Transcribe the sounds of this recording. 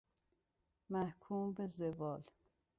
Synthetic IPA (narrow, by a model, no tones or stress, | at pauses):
mæhkʰuːmbezevɒːl